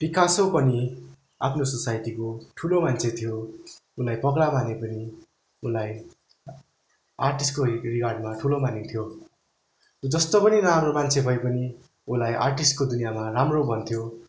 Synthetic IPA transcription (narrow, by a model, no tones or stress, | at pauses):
b̥ikasopʌni | a̰pʰnososajʈikoʈʰulomant͡sʰet̪ʰijoulajpʌkɽamanepʌni | ulaj | arʈisʈkorikarɖmaʈʰulomanit̪ʰjo | od͡zʌst̪opʌniramromant͡sʰebʱʌjpʌni | ulajʔa̰rʈisʈ̚kod̪unijamaramrobʱʌnt̪ʰjo